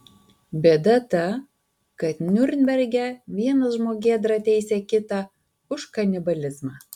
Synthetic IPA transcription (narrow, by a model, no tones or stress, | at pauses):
bʲɛd̪ɐt̪ɐ | kɐt̪nʲʊɾʲnʲbʲɛɾʲɡʲɛʋʲiɛnɐsʒmoːɡʲeːd̪ɾɐt̪ʲɛɪsʲɛːkʲɪt̪ɑ | ʊʃkɐnʲɪbɐlʲɪzmɑː